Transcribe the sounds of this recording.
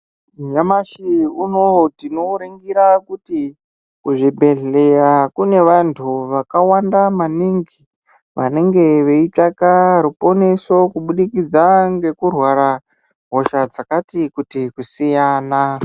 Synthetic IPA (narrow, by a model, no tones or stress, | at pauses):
ujamaʃiunotino̞ɾeŋɡiɾakuti | kuʐibʱe̞ɮe̞jakune̞ʋantʰuʋakawandamaniŋɡi | ʋane̞ŋɡe̞ʋe̞itakaɾupo̞ne̞so̞kuɓuɗikid͡zaŋɡe̞kurwaɾa | ɦo̞ʃad͡zakatikutikusijaːna